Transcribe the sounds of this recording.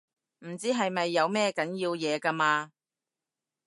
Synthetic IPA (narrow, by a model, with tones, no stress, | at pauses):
m̩˨˩t͡siː˥ɦɐ˨jmɐ˨jːɐ˨˧wmɛː˥kɐ˨˥njiː˧wjɛː˨˧ka˧maː˧